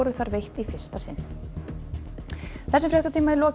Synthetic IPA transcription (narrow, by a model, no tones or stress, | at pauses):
ɾʏθaɾvejht̪ifɪr̥st̪asɪnː | θɛsːʏmfɾɛht̪at̪ʰiːmaɛɾlɔː